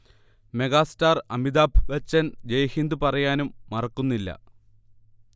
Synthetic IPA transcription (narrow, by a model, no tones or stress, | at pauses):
me̞ɡaːstaːrɐmid̪aːbʰʱʋɐt͡ɕːɐnd͡ʑejhind̪ɨpɐrɐjaːnumːɐrɐkːunːilːɐ̰